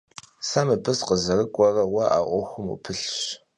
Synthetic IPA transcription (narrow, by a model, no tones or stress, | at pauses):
saːmɨbɨsqəzɐrɨkʷʼɔrɐwɐʔa̰ːʔʷɔxʷʊmṵpʰɨɬɕ